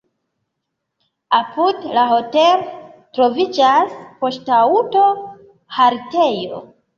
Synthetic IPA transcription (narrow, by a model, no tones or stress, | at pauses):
apudlaɦo̞teltɾo̞vid͡ʒaspo̞ʃtauto̞ | haɾte̞jo̞̰